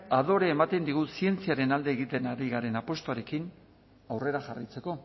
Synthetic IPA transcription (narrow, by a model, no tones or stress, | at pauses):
aðo̞ɾeːmat̪e̞nd̪iɣ̞usie̞nt͡siaɾe̞nald̪e̞ːɣit̪e̞naɾiɣaɾe̞napo̞st̪oaɾe̞kin | awre̞ɾaʝarit͡se̞ko̞